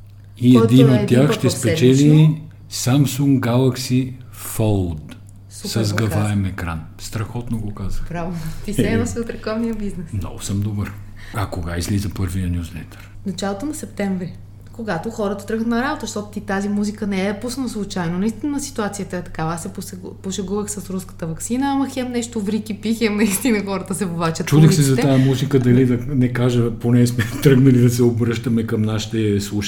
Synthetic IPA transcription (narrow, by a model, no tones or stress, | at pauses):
iɛd̪inot̪ʲːjaxʃt̪ɛspɛt͡ʃɛli | samsuŋɡalˠɐksi | fɔlˠd̪ | susɐzɡɐɾvaɛmɛkɾa̰nst̪ɾɐxɔt̪noɡokazəpɾavɛot̪isɛɛnosiot̪ɾɛkɔvnijəbiznɛsmnɔ̰ɡʊsəmd̪obəɾ | ɐkoɡaizlizəpɤɾvijənʲuzlɛt̪ʰɛ̥ɾ | nɐt͡ʃalˠot̪onɐsɛp̚t̪ɛɱvɾi | koɡat̪oxɔɾət̪ɐ̥t̪ɾɤɡət̪nɐɾabot̪əʃt̪ɔt̪ʊ̥t̪it̪azimuzikənɛɛd̪pusnnslˠut͡ʃajnonɐist̪inɐsi̥t̪uat̪sijət̪əɛt̪ɐ̥kavəasɛposɛpuʃɛɡuvəxsɐsɾuskə̥t̪əvɐksinəamɐxɛmnɛʃt̪ovɾikipixɛmnɐist̪inəxɔɾət̪əsɛvovat͡ʃət̪t͡ʃud̪ɛxsɛzɐt̪ajɐmuznikəd̪ɐlid̪ɐnɛkaʒəponɛsmɛt̪ɾɤɡnɐlid̪ɐsɛobɾɤʃt̪əmɛkɐmnaʃi̥t̪ɛslˠuʃ